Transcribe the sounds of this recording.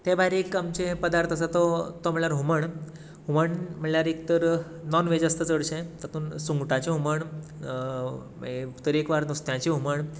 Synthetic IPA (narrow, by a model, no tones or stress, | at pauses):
t̪ẽbaɾekamt͡ɕepəd̪aɾt̪ʰəs̬at̪ɔt̪ɔməɭɭjaɾɦuməɳ | ɦuməɳm̤əɳljaɾek̚t̪əɾ | nɔnʋed͡ʑəst̪ət͡səɽɕẽt̪ət̪uːnsũŋɡʈãt͡ɕeɦuməɳ | et̪əɾekʋaɾnust̪jãt͡ɕiɦuməɳ